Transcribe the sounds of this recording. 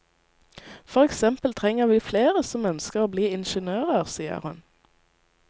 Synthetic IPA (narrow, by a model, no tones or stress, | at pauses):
fɔʁɛksɛmpəlt̪ʰʁɛŋəʁʋiːfleːʁəsɔmœnskəʁoːbliːɪnʃənøːʁəʁsiːə̰ʁhʉn